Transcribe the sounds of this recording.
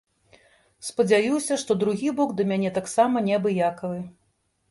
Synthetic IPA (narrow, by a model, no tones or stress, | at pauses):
spɐd͡zʲajusʲɐʂt̪ɔd̪ɾuɣʲibɔɡd̪ɐmʲanʲɛt̪aksamɐnʲɛbɨjakɐvɨ